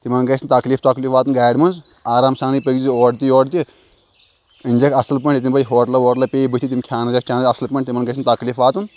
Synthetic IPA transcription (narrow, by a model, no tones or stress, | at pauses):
t̪imɐnɡɐsint̪ɐkliːft̪ɐkliːfaːt̪unɡaːɖmɐnz | aːɾaːmsaːnipəɡzioːɖt̪ijoːɖt̪̬i | ɨnʲd͡ʒekʰɐsɐlp̬ɐɳʈt̪ʲit̪̬ʲimbɐjɦoːʈlɐʋoːʈlɐpʲeːibɨt̪it̪imʲkʰʲaːnɐzɐkkʰʲaːnzɐslpɐɳʈt̪imɐnɡɐsint̪ɐkliːfʋaːt̪un